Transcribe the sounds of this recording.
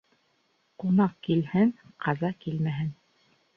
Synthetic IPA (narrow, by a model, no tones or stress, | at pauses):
qunɑq̚kilhɘŋqʰɑzɑkilmæɦɘn